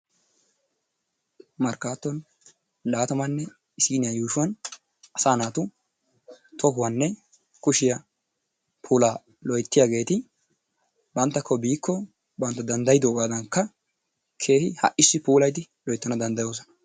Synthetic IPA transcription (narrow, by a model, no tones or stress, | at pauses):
mɐɾkaːt̪ːɔn | laːt̪ɐmɐnːɛ | ɪsiːnɪjajuːʃʊwɐn | ʔɐsaːnaːt̪ʊ | t̪ʰɔɦʊwɐnːɛ | kʊʃɪjɐ | pʰuːlaː | lɔjt̪ːɪjaːɡe̞ːt̪ɪ | bɐnt̪ːɐkʰːɔbiːkʰːɔ | bɐnt̪ːɐd̪ɐnd̪ɐjɪd̪oːɡaːd̪ɐŋkːɐ | kʰe̞ːhɪhɐ̰ʔɪsːɪpuːlɐjt̪ɪ | lɔjt̪ːɔnɐd̪ɐnd̪ɐjo̞ːsɔnɐ̥